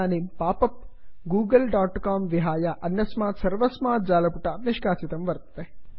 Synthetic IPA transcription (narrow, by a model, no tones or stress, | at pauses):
aːniːmpaːpɐp̚ɡuːɡɐlɖaːʈkaːmʋiɦaːjaʔɐnjɐsmaːsɐɾʋɐsmaːd͡ʒaːlɐpuʈɐniʃkaːt͡ʃit̪ɐmʋɐɾt̪ɐt̪e